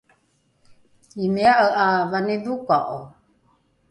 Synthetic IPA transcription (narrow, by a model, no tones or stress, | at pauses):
imeaʔaʔavaneðukaʔo